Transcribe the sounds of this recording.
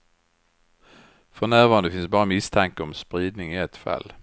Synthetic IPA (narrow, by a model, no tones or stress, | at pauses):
fɔʁnæːʁʋɑːʁɑnəfɪnsbɑːʁəmɪst̪ʰæŋkəɔmspʁiːd̪nɪŋɪːɛt̪fɛ̰l